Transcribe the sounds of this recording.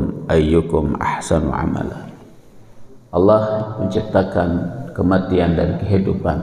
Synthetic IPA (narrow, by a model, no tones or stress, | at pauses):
mʔajːʊkʊmʔa̰ħsan̰ʕa̰ma̰la | ʔɑlːɑhməɲt͡ʃip̚t̪akankəmat̪iandaɾikəɦidupan